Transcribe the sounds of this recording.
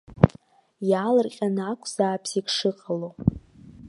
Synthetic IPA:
jaːlɨrqʲʼanakʷʰz̥aːpʰsikʂɨqʼalo

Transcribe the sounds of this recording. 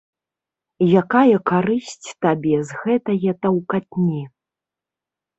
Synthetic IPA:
jakajɐkaɾɨsʲt͡sʲt̪abʲɛzɣɛt̪ɐjɛt̪ɐwkat̪̚ʲnʲɛ

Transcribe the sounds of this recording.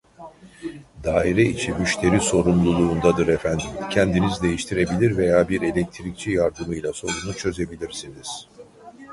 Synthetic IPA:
d̪aːiɾɛit͡ʃʰimyʃt̪ʰe̞ɾiso̞ɾumlˠulˠuːnd̪ad̪ɯɾɛfænd̪imcʰɛnd̪inizd̪e̞jiʃt̪ʰiɾe̞bilʲiɾve̞jaːbiɾe̞lʲɛc̚t̪ʰiɾic̚t͡ʃʰijaɾd̪ɯmɯjlˠaso̞ɾunut͡ʃʰø̞ze̞bilʲiɾsiniz̥

